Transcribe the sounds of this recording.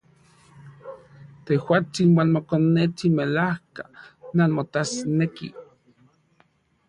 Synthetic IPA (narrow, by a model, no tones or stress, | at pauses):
t̪ewat͡sinwanmokonːet͡simelahkananmot̪asnekḭ